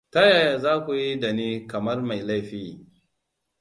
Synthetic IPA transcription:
ta˦jaː˨ja˨zaː˦kʷu˨ji˦da˨niː˦kɐ˨mɐ˦rma˨jla˦jɸiː˦

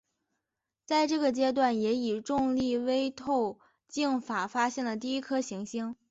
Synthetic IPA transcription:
t͡sa˥˧ɪʈ͡ʂɤ˥˩ɡə˩t͡ɕjɛ˥t̪̬wa˥˩njɛ˧˥i˨˩ʈ͡ʂʊ˥˧ŋli˥˩we˥ɪt̪ʰo˥˧ʊ | t͡ɕi˥˩ŋfa˨˩fa˥ɕjɛ˥˩nlə˩t̪̬i˥˩˧i˥kʰɤ˥ɕi˧˥ŋɕi˥ŋ

